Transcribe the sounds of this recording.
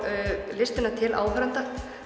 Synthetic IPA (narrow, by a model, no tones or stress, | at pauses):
lɪst̪ɪnat̪ʰɪlʔa̰ːwfɾant̪a